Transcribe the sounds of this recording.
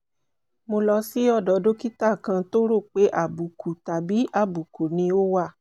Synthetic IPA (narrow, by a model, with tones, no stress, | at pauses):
mo˧lɔ˧˦si˨˦ɔ˦˨dɔ˨do˦ki˦ta˦˨kã˧to˦ɾo˦˨k͡pe˨˦ʔa˦˨bu˨kʰu˨ta˨bi˨˦ʔa˦˨bu˨ko˨nĩ˧o˦wa˦˨